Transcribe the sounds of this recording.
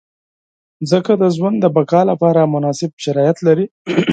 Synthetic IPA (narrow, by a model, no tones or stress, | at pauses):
zəkad̪əzwand̪əbakɑlapɑɾamʊnɑsɪb̚ʃaɾɑjat̪laɾi